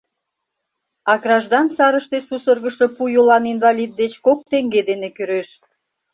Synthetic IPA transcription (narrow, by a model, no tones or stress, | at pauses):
ɑkrɑʒd̪ɑnsɑɾəʃt̪esusərɣəʃopujolɑninvɑlʲid̪̚ːet͡ɕkok̚t̪eŋɡed̪enekyɾeʃ